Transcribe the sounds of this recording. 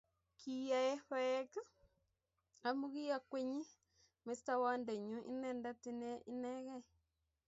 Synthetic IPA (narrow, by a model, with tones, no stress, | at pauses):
kʰi˨ja˨ɛ˦hɔ˦ka˦ | a˨mu˦ɣi˦ja˦kwe˦ɲi˦ | me˨˦sta˦wa˦ndɛ˨ɲu˦ʔḭ˦nɛ˦˨nda˦ti˦nɛ˦i˦nɛ˦ɣɛ˦